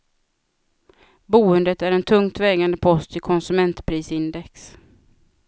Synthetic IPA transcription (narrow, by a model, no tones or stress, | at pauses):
buːənd̪ət̪æɾɛnt̪ʰɵŋt̪vɛːɡand̪əpʰɔst̪ʰɪkʰɔnsɵmɛnt̪pʰɾiːsɪnd̪ɛks